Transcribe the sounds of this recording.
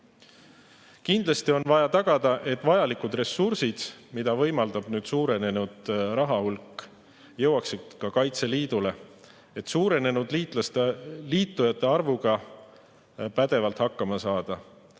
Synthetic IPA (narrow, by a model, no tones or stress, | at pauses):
kind̪lɑst̪io̞nvɑjɑt̪ɑɡ̥ɑd̪ɑʔe̞t̪ːˑvɑjɑlikud̪re̞sːursid̪̥mid̪̥ɑvɤ̞jmɑld̪̥ɑb̥nyːd̪̥suːɾe̞ne̞nud̪̥rɑɦɑhulkˑː | jɤwɑksid̪̥kɑkɑjt̪se̞liːd̪̥ule̞ | e̞t̪suːɾe̞ne̞nud̪̥it̪lɑst̪liːt̪ˑːujɑt̪ːˑe̞ɑrvuɡ̥ɑ | pæd̪̥e̞vɑlt̪hɑkːɑmɑsɑːd̪̥ɑ